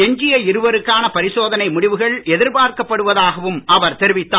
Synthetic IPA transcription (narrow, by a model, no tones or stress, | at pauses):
ɛɲd͡ʒɪjɐɪɾɯʋɐɾɯkːaːnɐpɐɾɪsoːðɐnɐɪmʊɽɪʋɯɣɐɭɛðɪɾbaːɾkɐpːɐɽɯʋɐðaːɣɐʋɯmɐʋɐɾt̪ɛɾɪʋɪt̪ːaː